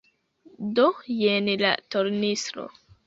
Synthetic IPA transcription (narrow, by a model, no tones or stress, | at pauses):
dojenla̰toɾnisɾo̰